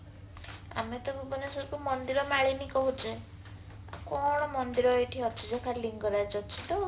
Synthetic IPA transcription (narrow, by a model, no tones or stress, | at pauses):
a̰met̪ɔbubɔnesɔɾkumɔnd̪iɾɔmaɭinikɔɦut͡ʃḛ | kɔɽ̃ɔmɔnd̪iɾɔeʈʰiɔt͡ʃʰid͡ʒakʰaɾliŋɡɔɾad͡ʒɔt͡ʃʰi̥t̪ɔ